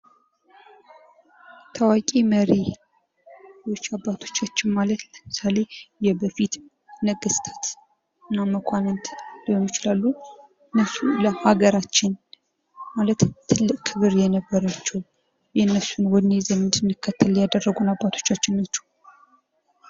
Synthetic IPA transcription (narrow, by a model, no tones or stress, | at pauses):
t̪ʰawakʼiməɾi | jwot͡ʃːabːat̪ʰo̞̥t͡ʃːat͡ʃːɪnmalət̪ləmɨsale̞jɛbəfit̪ | nəɡəst̪ʰḁt̪ | ɨnːaməkʷʰanɨnt̪ʰljɛmːit͡ʃɪlalːu | ɨnːəsuləhaɡəɾat͡ʃːɪn | malət̪t̪ʰːɨlːɨkʼkʰɨβɨɾjɛnəbːəɾat͡ʃːɛw | jɛnːəsunwɔd̪nezənɨnd̪ɨnːɨkʰːət̪ʰːəljad̪ərːəɡunabːat̪ʰo̞̥t͡ʃːat͡ʃːɪnnət͡ʃːɛ̥w